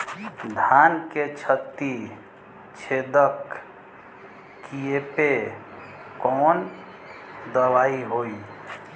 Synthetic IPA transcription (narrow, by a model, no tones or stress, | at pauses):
d̪ʱanket͡ʃʰət̪i | t͡ʃʰed̪ək | kiepe | kɔn | d̪əʋaiɦoi